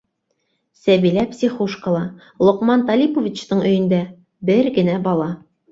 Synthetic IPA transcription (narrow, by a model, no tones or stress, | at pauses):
sæbilæpsʲiχoʃkə̆lˠɑ | lˠŏqmɑnt̪ɑlʲipovʲit͡ɕt̪ɤɴɵ̆jɘ̆nd̪æ | bɘɾɡɘ̆næbɒlˠɑ